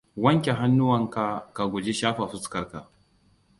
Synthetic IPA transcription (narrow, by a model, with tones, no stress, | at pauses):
wɐ˦ŋkʲe˨ɦa˦nːʊ˦wɐ˨ŋka˨ka˨ɡʷʊ˨d͡ʒe˦ʃaː˦ɸa˨ɸʊ˦skɐ˦rka˨